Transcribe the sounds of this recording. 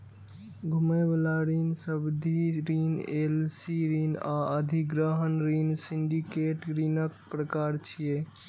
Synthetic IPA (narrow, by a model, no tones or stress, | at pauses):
ɡʱumebelaɾinsəbd̪ʱiɾinelsiɾina̰əd̪ʱiɡɾəɦənɾinsiɳɖikeʈɾinəkpɾəkaɾt͡ʃʰije